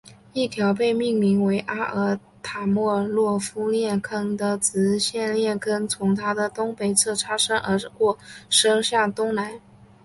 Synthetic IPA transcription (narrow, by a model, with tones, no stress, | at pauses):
i˥˩t̪ʰjɑ˧˥ʊpe˥˧ɪmi˥˩ŋmi˧˥ŋwe˧˥ɪʔa˥ʔə˧˥ | t̪ʰa˨˩mwɔ˥˧lwɔ˥˩fu˥ljɛ˥˩nkʰɤ˥˩ŋd̪ə˨t͡sɹ̩˧˥ɕjɛ˥˧nljɛ˥˩nkʰə˥nt͡sʰʊ˧˥ŋt̪ʰa˥d̪ə˨t̪ʊ˥ŋpe˨˩ɪt͡sʰɤ˥˩ʈ͡ʂʰa˥ʂɤ˥ŋʔə˧˥kwɔ˥˩ʂɤ˥ŋɕja˥˩t̪ʊ˥ŋna˧˥n